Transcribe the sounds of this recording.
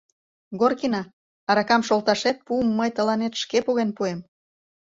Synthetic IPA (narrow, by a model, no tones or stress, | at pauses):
ɡorkinɑ | ɑɾɑkɑmʃolt̪ɑʃet̪̚puəmːəjt̪ə̆lɑnet̪ʃkepuɣenpuem